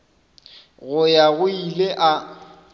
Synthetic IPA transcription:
ɣʊjaɣʊileʔa

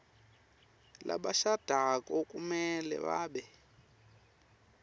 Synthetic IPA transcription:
lʔa̰ɓaʃad̥ʱakɔkʼumɛlɛ̰βaːɓɛ

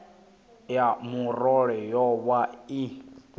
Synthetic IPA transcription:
jamurɔɺɛjɔwai

